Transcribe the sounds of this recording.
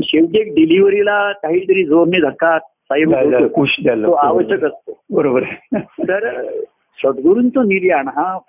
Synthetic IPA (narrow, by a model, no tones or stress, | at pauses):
ɕewd̪ek̚ɖiliʋəɾilat̪aɦit̪əɾiːd͡zoɾned̪ʱəkːat̪̚saiɦkuɕd̪aləoaʋəɕəkəst̪obəɾobəɾt̪əɾ | ɕəd̪ɡuɾunt͡soniliaɳɦã